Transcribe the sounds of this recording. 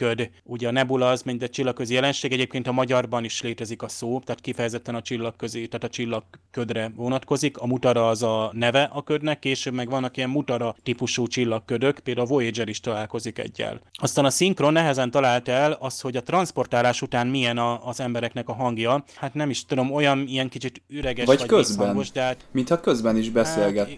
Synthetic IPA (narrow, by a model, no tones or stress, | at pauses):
kød̪ | uɟɛɒnɛbulɒzmɛnt̪ɛt͡ʃilːɒkːøzijɛlɛnʃeːɡɛɟeːpkeːnt̪ɒmɒɟɒrbɒniʃleːt̪ɛzikɒsoːt̪aːt̪̚kifɛjɛzɛt̪ːɛnɒt͡ʃilːɒkːøzit̪aːt̪ɒt͡ʃilːɒkːød̪rɛvo̞nɒt̪ko̞zikɒmut̪ɒɾɒːzɒnɛvɛʔɒkød̪nɛkːeːʃøːbmɛɡʋɒnːɒkijɛmmut̪ɒɾɒt̪ipuʃuːt͡ʃilːɒkːød̪ø̞kpeːld̪avo̞ed͡ʒɛɾiʃt̪ɒlaːlko̞zikɛ̰ɟːɛ̰lɒst̪aːnɒsiŋkro̞nːɛɦɛzɛnt̪ɒlaːlt̪ɛlɒst̪ho̞ɟɒt̪rɒnspo̞rt̪aːlaːʃut̪aːnmijɛnɒːzɛmbɛɾɛknɛkɒɦɒŋɡjɒhat̪nɛmiʃt̪ud̪o̞mo̞jɒnijɛŋkit͡ʃit̪yɾɛɡɛʃɒcɒkøzbɛnoʃd̪ɛɦaːt̪mint̪hɒkøzbɛniʒbɛseːlɡɛt̪ː